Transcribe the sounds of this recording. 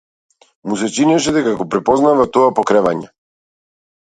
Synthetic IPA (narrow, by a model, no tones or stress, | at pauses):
mus̬ɛt͡ʃinɛʃɛd̪ɛkaɡɔpɾɛpɔznavat̪ɔapɔkɾɛvaɲɛ